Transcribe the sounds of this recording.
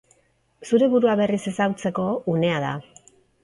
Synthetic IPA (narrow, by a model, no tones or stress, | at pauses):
suɾe̞βuɾuaβe̞rise̞sawt͡se̞ko̞une̞að̞a̰